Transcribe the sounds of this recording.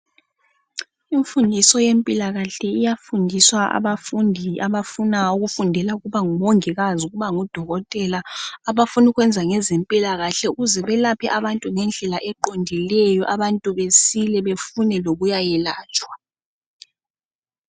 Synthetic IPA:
iɱfundʱisɔjempʼilaɣaɬɛijafundʱiswaa̰βafundʱiaβafunauɣufundʱɛlauɣuβaŋumoŋiɣazuɣuβaŋud̥ʱɔɣɔtʼɛlaːβafuniɣwɛnd͡zʱaŋɛzempʼilaɣaɬɛuɣuzɛβɛlapʰɛʔaβantʼuŋɛnd͡ɮʱɛlaʔɛǃondʱilɛjɔʔaβantʼuβesilɛβefunɛloɣujajɛlaːt͡ʃʼwa

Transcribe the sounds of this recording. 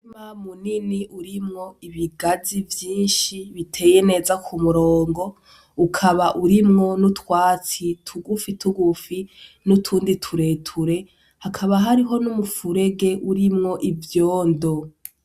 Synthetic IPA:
imamuniniʔuɾimŋo̞iβiɡazivjiːnʃiβitʰe̞ːjene̞ːzakʰumuɾo̞ːŋɡo̞ | ukʰaβaʔuɾimŋo̞nutwaːt͡sitʰuɡufitʰuɡufinutʰuːnditʰuɾe̞ːtʰuɾe̞ | hakʰaβaɦaɾiɦo̞numufuɾe̞ɡe̞ʔuɾimŋo̞ʔivjo̞ːndo̞

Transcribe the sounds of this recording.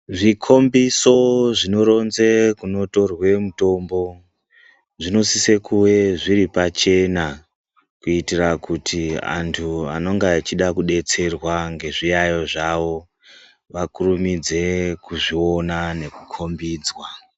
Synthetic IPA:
ʐikʰo̞mbiso̞ʐino̞ɾo̞nzekuno̞to̞rwe̞muto̞mbo̞ | ʐino̞sisekuwe̞ʐiɾipat͡ʃe̞na | kuitirakutʰia̰ntʰuano̞ŋɡaːt͡ʃiɗakuɗe̞t͡se̞rwaŋɡe̞ʐijajo̞ʐaʋo̞ | ʋakurumid͡ze̞kuʐio̞nane̞kukʰo̞mbiːd͡zwa

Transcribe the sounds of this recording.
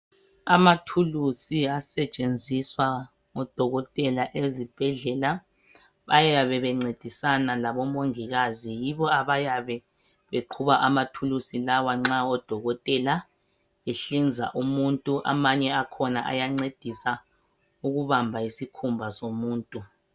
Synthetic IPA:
amatʰulusiasɛt͡ʃʼend͡zʱiswa | ŋɔd̥ʱɔɣɔtʼɛlaʔezib̥ʱɛɮɛla | βajajaβɛβɛŋ͡ǀed̥ʱisanalaβɔmoŋiɣazijiβɔaβajaβɛ | βeǃʰuβaʔamatʰulusilawaŋ͡ǁaɔd̥ʱɔɣɔtʼɛla | eɬind͡zʱa̰ʔumuntʼuʔa̰maɲɛakʰɔna̰ʔa̰jaŋ͡ǀed̥ʱisa | uɣuβambʱaisikʰumbʱasomuːntʼu

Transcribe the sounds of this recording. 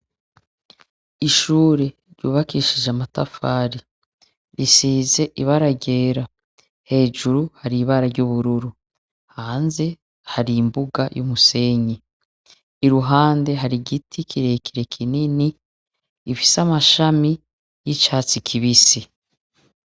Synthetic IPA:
iʃuːɾe̞ | ɾɟṵːβakiʃiʒamatafaːɾi | ɾisiːze̞ʔiβaɾaɟe̞ːɾa | he̞ːʒuɾuhaɾiβaɾaɾɟuβuɾuɾu | haːnze̞ | haɾimbuɡajʔumuse̞ɲe | iɾuɦaːnde̞ɦaɾiɡitʰikʰiɾe̞ːkiɾe̞kʰininiː | fi̥samaʃami | jit͡ʃaːt͡sikʰiβisi

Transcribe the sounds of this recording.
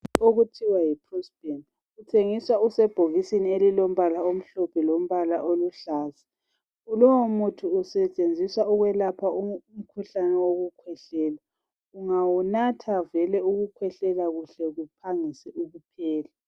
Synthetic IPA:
oɣutʰiwajipʰrɔsb̥en | utʰeŋiswausɛb̥ʱoɣisinielilom̩βalaom̩ɬɔpʰɛlom̩βalaʔoluɬaːzi̥ | ulɔwomutʰuːsɛt͡ʃʼend͡zʱiswauɣwɛlapʰaum̩kʰuɬanɛwoɣukʰwɛɬɛːla | uŋawunatʰavɛlɛuɣukʰwɛɬɛlaɣuɬɛɣupʰaŋisɛʔuɣupʰɛːla

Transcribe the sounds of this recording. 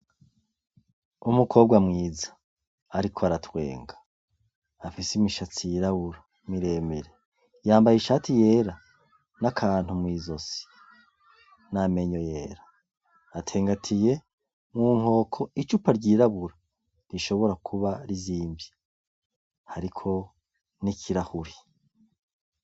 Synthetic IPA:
umukʰo̞ːb̚ɡwamŋiːzḁː | ɾikʰoaɾatwe̞̰ːŋɡḁː | fisimiʃat͡sijiɾaβuɾa | miɾe̞ːmeɾe | jaːmbajiʃatije̞ːɾa | nakʰaːn̥humwiːzo̞si̥ | name̞ɲo̞je̞ːɾaː | tʰe̞ːŋɡatʰije̞ | muŋ̥ho̞ːkʰo̞it͡ʃupaɾɟiːɾaβuɾa | ɾiʃo̞βo̞ɾakʰuβaɾiziːmbji | haɾikʰo̞ | nikʰiɾahuɾi

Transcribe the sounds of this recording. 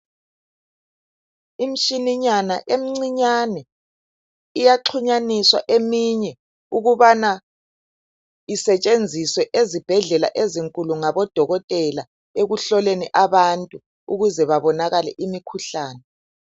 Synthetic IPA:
im̩ʃiniɲana̰ʔem̩ŋ͡ǀiɲanɛ | ijaǁʰuɲaniswa̰ʔemiɲɛ | uɣuβana | isɛt͡ʃʼend͡zʱiswɛʔezib̥ʱɛɮɛla̰ʔeziŋkʼuluŋaβɔd̥ʱɔɣɔtʼɛla | eɣuɬɔleniʔaβantʼu | uɣuzɛβaβɔnaɣalɛ̰ʔimikʰuɬaːnɛ

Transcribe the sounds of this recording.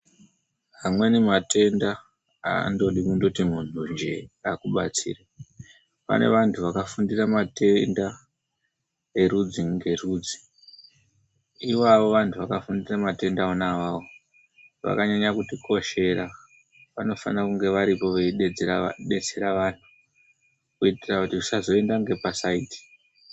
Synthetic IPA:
ɦamwe̞nemate̞nda | a̰ndo̞ɗikundo̞timun̤und͡ʒe̞akuɓa̰t͡sḭːra | pa̰ne̞̰ʋantʰuʋakafundiramate̞nda | e̞ɾud͡ziŋɡe̞ruːd͡zi̥ | iwaʋo̞ʋantʰuʋakafundiramate̞ndaonaʋao | ʋa̰kaɲaɲakutikʰo̞ʃe̞ɾa | ʋano̞fanirakuŋɡe̞ʋaɾipo̞ʋeiɗed͡zeaɗe̞d͡zeɾaʋan̤u | kuitirakutiusazo̞endaŋɡe̞pasaiti̥

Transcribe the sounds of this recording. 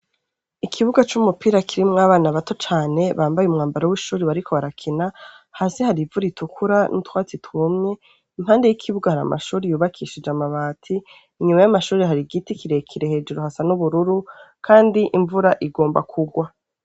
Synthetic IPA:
ikʰiβuɡat͡ʃumupiːɾakʰiɾimŋaːβaːnaβato̞t͡ʃaːne̞βaːmbajeumŋaːmbaɾowiʃuːɾiβaɾikʰo̞βaɾakʰina | haːsehaɾivuɾitʰukʰuɾanʔutwaːt͡situmɲe̞ | imhaːnde̞jikʰiβuɡahaɾa̰ma̰ʃuːɾejuːβakʰiːʃid͡ʒamaβaːtʰiː | ɲumajamaʃuːɾeɦaɾiɡitikiɾekʰiɾehe̞ːd͡ʒuɾohasanuβuɾuɾukʰaːndiʔiɱvuɾaʔiɡo̞ːmba̰kʰuɡwa

